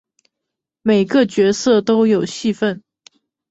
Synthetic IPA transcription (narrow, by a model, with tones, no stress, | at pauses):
me˨˩ɪɡə˧t͡ɕɥɛ˧˥sɤ˥˩t̪o˥ʊjo˨˩ʊɕi˥˧fə˥˩n